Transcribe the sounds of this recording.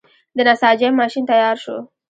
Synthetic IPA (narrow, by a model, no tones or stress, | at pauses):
d̪ənasɑd͡ʒamɑʃint̪ajɑɾʃo̰